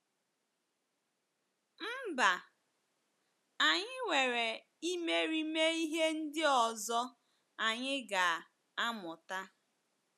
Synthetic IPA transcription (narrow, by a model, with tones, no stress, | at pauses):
m̩˦ba˨ | a˨ɲɪ˦ŋʷe˨ɾe˨ | i˦me˦ɾi˦me˦i˦ɦe˦n̩˦dɪ˦ɔ˨zɔ˦ | a˨ɲɪ˦ɡa˨ | a˦mʊ˨ta˦